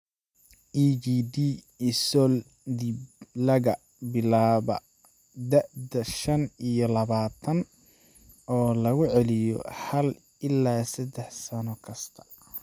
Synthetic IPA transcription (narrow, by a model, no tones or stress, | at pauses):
ʔiːd͡ʒiːd̪iː | isɔl | d̪iblɐɣɐ | bɪlaːβɐ̰ | d̪ɐʕd̪ɐʃɐnijɔlɐβaːt̪ʰɐn | ɔːlɐɣʊʕɛlɪjɔ̰ħɐl | ɪlːaːsɐd̪ɛħsɐnɔkʰɐst̪ʰɐ̥